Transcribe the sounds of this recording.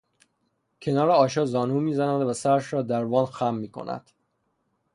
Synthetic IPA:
cʰe̞nɒːɾeɒːʃɒːzɒːnuːmiːzænænd̪væsæɾæʃɾɒːd̪æɾvɒːnxæmːiːkʰo̰næ̰d̪̥

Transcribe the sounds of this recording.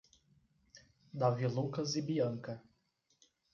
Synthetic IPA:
d̪avilukɐzibiɐ̃ŋkɐ

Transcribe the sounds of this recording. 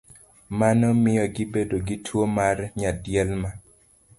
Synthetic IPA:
manɔmɪjɔɡɪbedoɡɪtʰwomarɲadjɛlma

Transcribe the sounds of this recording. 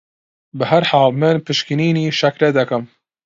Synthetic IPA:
bɨhæɾħaːlmɨnpʰɨʃkiniːniːʃɐkɾɛd̪ɐkɨm

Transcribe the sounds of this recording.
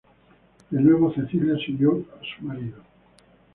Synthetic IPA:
d̪enwe̞β̞oθe̞θiljasuljoasu̥maɾiðo

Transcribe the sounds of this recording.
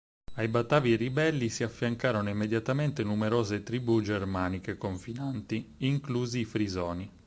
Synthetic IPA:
ajbat̪ːaːviribɛlːisiafːjaŋkaːɾonoimːed̪jat̪ament̪enumeɾoːzet̪ɾibud͡ʒermaːnikekoɱfinant̪iiŋkluːziːfɾizɔːni

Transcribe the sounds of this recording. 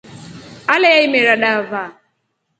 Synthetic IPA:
alɛjaimɛɾaɗava

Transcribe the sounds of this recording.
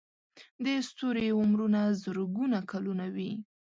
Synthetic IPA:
d̪əst̪oɾeʊmɾunazəɾɡunakalunawi

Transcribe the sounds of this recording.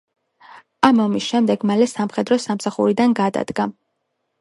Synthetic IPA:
amɔmisʃɛmd̪ɛɡmalɛsamχɛd̪ɾɔsamsaχṵɾid̪anɡad̪a̰d̪ɡa

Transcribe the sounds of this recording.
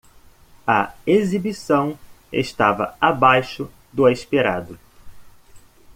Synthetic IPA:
ɐ̰ezibisɐ̃w̃ | ḛʃt̪avɐ̰abajʃʊ | d̪ʊajspiɾa̰d̪ʊ

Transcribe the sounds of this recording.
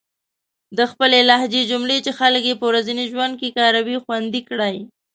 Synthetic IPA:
d̪əxpəlelahd͡ʒed͡ʒʊmɽet͡ʃexalkjepəwɾazəniʒwand̪̚kekɑɾawixwand̪ikɽaj

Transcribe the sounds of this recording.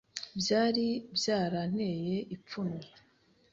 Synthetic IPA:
bjaːɾibjaːɾan̥he̞jeʔip͡funwe

